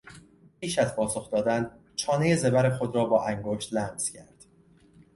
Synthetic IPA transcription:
piːʃæzpʰɒːso̞xd̪ɒːd̪æn | t͡ʃʰɒːneje̞ze̞bæɾexod̪ɾɒːbɒːʔæŋɡoʃt̪læmz̥cʰæɾd̪̥

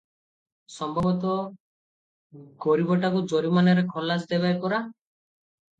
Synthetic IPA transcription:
sɔmbʱɔbɔt̪ɔ | ɡɔɾibɔʈakud͡ʒoɾimanaɾekʰɔlasd̪ebajkɔɾa

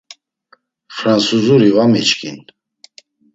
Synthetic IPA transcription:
fɾansuzuɾivamɛt͡ʃkḭn

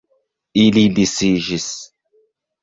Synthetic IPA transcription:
ilibisiʒis

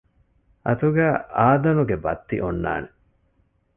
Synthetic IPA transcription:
ʔɐt̪uɡæːʔaːd̪ɐnuɡebɐ̰t̪ːḭʔonːa̰ːne

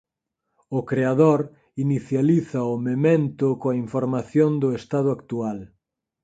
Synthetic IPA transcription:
ʊkɾeaðoɾ | iniθjaliθɐʊmemẽnt̪ʊkoɐiɱfoɾmaθjond̪ʊest̪að̞ʊakt̪ual

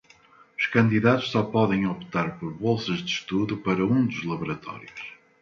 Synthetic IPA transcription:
uʃkɐ̃nd̪iðat̪ʊʃsɔpɔðẽj̃opt̪aɾpɔɾβolˠsɐʒðɨʃt̪uðupɐɾɐũd̪uʒlˠɐβuɾɐt̪ɔ̰ɾjuʃ

